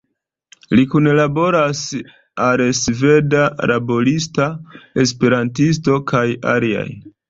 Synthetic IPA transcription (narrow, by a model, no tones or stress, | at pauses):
likunlabo̞ɾas | alsve̞daɾabo̞listae̞spe̞ɾantis̬to̞kʰaja̰lia̰j